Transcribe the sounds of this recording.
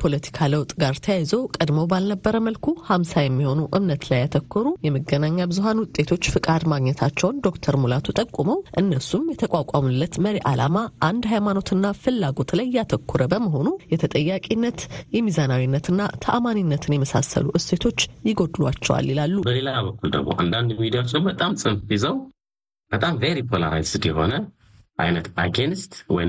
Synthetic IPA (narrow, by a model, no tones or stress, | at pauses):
pʰo̞lət̪ʰi̥kʰaləwt̪ʼɡaɾt̪ʰəjajzəwkʼəd̪məwbalnəbːəɾəməlkʰuhamsajɛmːiho̞nuʔɨmnət̪lajːat̪ʰəkʰːɔɾujɛməɡənaɲːabɨzuɦanwʊt̪ʼːe̞t̪ʰo̞t͡ʃːfɨkʼad̪maɡɲɛt̪ʰat͡ʃːɛwnd̪o̞kt̪ʰəɾmulat̪ʰut̪ʼəkʼːuməwʔɨnːəsumjɛt̪ʰəkʷʼakʼamɨlːət̪məɾiʔala̰maʔand̪ɦajmano̞t̪ɨnːafɨlːaɡo̞t̪lajːat̪ʰəkʰːuɾəbəməɦo̞nujɛt̪ʰət̪ʼəjːakʼinːət̪jɛmizanawinːət̪ɨnːat̪ʰa̰ʔamaninːət̪ʰɨnjɛməsa̰sːə̰luʔɨse̞t̪ʰo̞t͡ʃːjɪɡo̞d̪lwa̰t͡ʃːɛwa̰lːilalːubəle̞labəkʰːuld̪ə̰ɡmo̰ʔa̰nd̪and̪mid̪ijawot͡ʃːəwbət̪ʼamsʼɨnfbizəw | b̥ət̪ʼamveɾipʰolə̰ɾa̰jsɨd̪jɛho̞̰nə | ʔa̰jnət̪a̰ɡenst̪wɔ̰j